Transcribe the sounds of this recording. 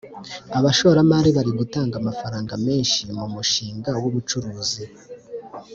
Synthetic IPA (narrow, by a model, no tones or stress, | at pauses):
aβaʃo̞ɾamaɾiβaɾiɡutaːŋɡamafaɾaːŋɡame̞ːnʃimumuʃiːŋɡawuβut͡ʃuɾuːzi